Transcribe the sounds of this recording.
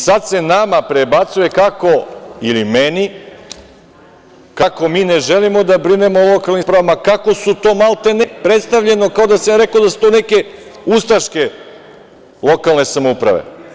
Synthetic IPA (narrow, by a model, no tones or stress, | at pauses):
sad̪se̞namapɾebat̪suje̞kako̞ilimeni | kako̞miːneʒelimo̞d̪abɾine̞molˠo̞kalˠnipɾaʋamakako̞sut̪o̞ːmalˠt̪e̞nepɾet̪st̪aʋʎe̞no̞kaod̪asamɾe̞kod̪asu̥t̪one̞ke̞ust̪aʃke̞ | lˠo̞kalˠne̞samoupɾa̰ʋḛ